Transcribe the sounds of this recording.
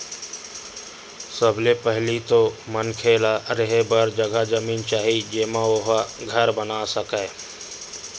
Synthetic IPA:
səblepəɦlit̪omənkʰeːlaɾɪɦebəɾd͡ʒəɡʱad͡ʒəmiːnt͡ʃaːɦid͡ʒeːmãoɦaɡʱəɾbənasəkɛː

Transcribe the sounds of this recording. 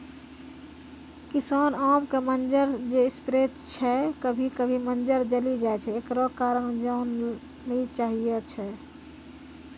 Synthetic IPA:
kisanamkemənd͡ʒəɾd͡ʒeispɾet͡ʃt͡ʃʰɛkəbʱikəbʱimənd͡ʒəɾd͡ʒəlid͡ʒaet͡ʃʰɛːkɾɔkaɾənd͡ʒaunː | eit͡ʃaɦijɛt͡ʃʰɛ

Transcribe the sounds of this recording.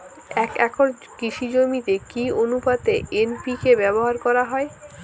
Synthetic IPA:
ɛkɛkʰoɾ | kɾiʃid͡ʑomit̪ekionupat̪eenpikebɛboɦaɾkɔɾaɦɔe

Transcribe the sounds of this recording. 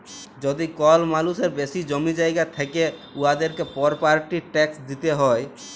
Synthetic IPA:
d͡ʑod̪ikɔlmaluseɾbesid͡ʑomid͡ʑajɡat̪ʰekeuad̪eɾkepɔɾpaɾʈiʈɛksd̪it̪eɦɔe

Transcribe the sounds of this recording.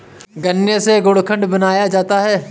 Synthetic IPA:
ɡɐnjəseɡoːɽkʰə̃ɳɖbɐnaːjad͡ʒaːt̪aɦɛː

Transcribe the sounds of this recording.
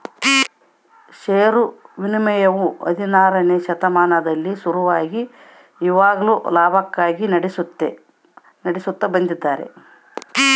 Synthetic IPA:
ʃeːjɐɾuʋinimɐjɐʋuɐ̰d̪ʱinaːɾɐneːʃɐt̪ɐmaːnɐd̪ɐlːisuɾuʋaːɡiː | ʋaːɡɐluːlaːbʱɐkːaːɡinɐɽisut̪ːḛ | nɐɽesut̪ːɐbɐnd̪id̪ːaːɾḛ

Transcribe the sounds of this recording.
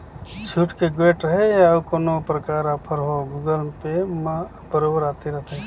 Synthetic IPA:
t͡ʃʰuːʈkeɡeʈɾəɦejawkoːnopɾəkaːɾəpʰəɾɦoɡuːɡəlpema | bəɾoːbəɾaːt̪iɾɐt̪ʰe

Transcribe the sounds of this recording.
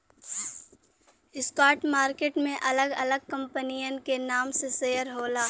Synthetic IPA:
ɪskaːʈmaːɾkeːʈmẽʔɐləɡɐləɡ̚kɐ̃mpənijənkenaːmsesejəɾɦoːlaː

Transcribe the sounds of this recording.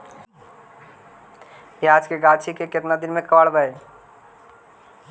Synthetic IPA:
jeaːd͡ʒkeɡat͡ʃʰikekɪt̪nad̪ɪnmẽkəʋəɽbəe

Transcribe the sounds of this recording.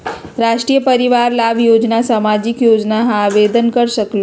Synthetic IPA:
ɾaʂʈɾijəpəɾiʋaɾlaʋjod͡ʒnasamad͡ʑikjod͡ʒnaɦãʋed̪ənkəɾʃəklo

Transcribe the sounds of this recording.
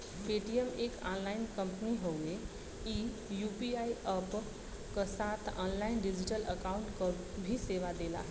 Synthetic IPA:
peʈijəmekanlainkəmpniɦəwe | i | jupiaiʔəp | kəsat̪ʰã̰nlainɖid͡ʑiʈələkaũɳʈkəubʱiseʋad̪ela̰

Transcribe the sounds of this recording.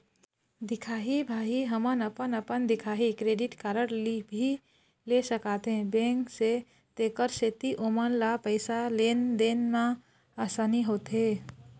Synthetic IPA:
d̪ɪkʰaːɦibʱaːɦiɦəmənəpənəpənd̪ɪkʰaːɦikɾeːɖɪʈkaːɾəɽlibʱi | lesəkaːt̪eɦɛ̃bẽːŋkse | t̪eːkəɾset̪iʔomənlapəɪsaleːnd̪eːnmã | aːsaːniɦoːt̪ɦe

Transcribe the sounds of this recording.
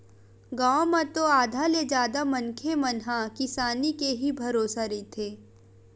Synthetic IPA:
ɡaːʋ̃mɐt̪oaːd̪ʱaled͡ʒaːd̪amɐnkʰemɐnɦakɪsaːnikeɦibʱɐɾoːsaɾit̪ʰeː

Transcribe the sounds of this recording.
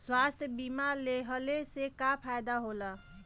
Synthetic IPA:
swast̪ʰjbimaleɦəlesekapʰajd̪aɦola

